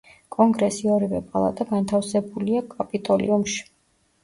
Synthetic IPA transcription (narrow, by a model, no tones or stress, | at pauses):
kʼɔŋɡɾɛsiɔɾivɛpʼalˠa̰t̪ʼaɡant̪ʰafsɛbuliakʼapʼit̪ʼɔlḭumʃi̥